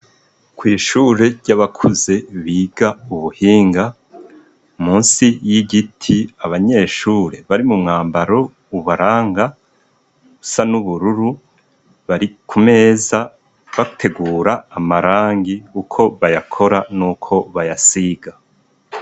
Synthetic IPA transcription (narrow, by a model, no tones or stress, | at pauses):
kwiːʃuːɾe̞ɾɟaβakʰuze̞βiːɡ̥auβuhiːŋɡa | umuːnsijiɟitʰiaβaɲe̞ːʃuːɾe̞βaɾimumŋaːmbaɾo̞ | uβaɾaːŋɡa | usanuβuɾuɾu | βaɾikʰume̞za | βatʰe̞ɡuːɾaːmaɾaːŋɡiukʰo̞βajakʰo̞ɾanuːkʰo̞βajasiɡa